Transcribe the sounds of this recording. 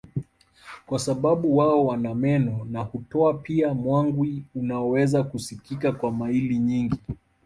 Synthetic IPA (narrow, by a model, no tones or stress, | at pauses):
kwasaɓaɓuwaɔwanamɛnɔnahutɔapiamwaŋɡwiunaɔwɛzakusikikakwamailiɲiŋɡi